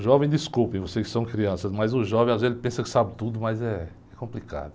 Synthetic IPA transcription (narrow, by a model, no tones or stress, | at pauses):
ʒɔvẽj̃d̪iskupẽvosekɪ̥sɐ̃w̃kɾiɐ̃sɐsmɐjzʊʒɔvẽj̃azvezelzɪpẽsɐkɪ̥sabɪt̪ud̪ʊmɐzɛ | ɛkõplika̰d̪ʊ